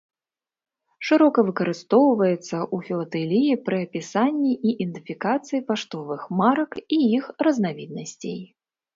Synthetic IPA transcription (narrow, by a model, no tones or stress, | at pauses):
ʂɨɾɔkɐvɨkɐɾɨst̪ɔwvɐjɛt̪sːɐʔufʲilˠɐt̪ɛlʲijipɾʔɨɐpʲisanʲːiʔiʔind̪ɨfʲikat̪sɨjipaʂt̪ɔvɨxmaɾɐkiixrɐznavʲid̪̚nɐsʲt͡sʲḛj